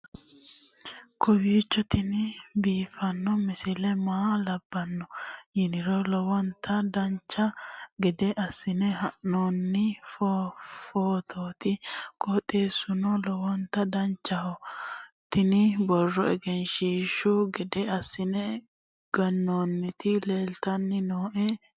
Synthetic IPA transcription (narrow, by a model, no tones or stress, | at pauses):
kʰɔwiːt͡ʃːɔt̪ɪnɪbiːfɐnːɔmɪsɪlɛmaːlɐbːɐnːɔjɪnɪɾɔlɔwɔnt̪ʰɐd̪ɐnt͡ʃːɐɡɛd̪ɛʔɐsːɪnɛhɐʔnoːnːɪffoːt̪ʰoːt̪ɪkʰʼɔt̪ʼeːsʊnɔlɔwɔnt̪ɐd̪ɐnt͡ʃːɐhɔt̪ɪnɪbɔrːɔɛɡɛnʃiːʃʊɡɛd̪ɛɐsːɪnɛ | ɡ̥ɐnːoːnːɪt̪ɪle̞ːlt̪ɐnːɪnoːʔɛ